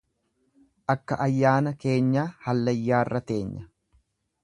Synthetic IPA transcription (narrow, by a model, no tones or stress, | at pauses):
ʔɐkːɐʔɐjːaːnɐke̞ːɲːaːhɐlːɐjːaːrːɐt̪e̞ːɲːɐ